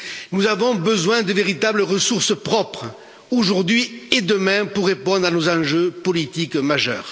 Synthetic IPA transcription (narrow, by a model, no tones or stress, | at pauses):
nuzavɔ̃bəzwɛ̃d̪əveʁit̪abləʁəsuʁsəpχɔpχə | oʒuʁd̪ɥied̪əmɛ̃puʁːepɔ̃d̪ʁanozɑ̃ʒøpɔlit̪ikmaʒœ̰ːʁ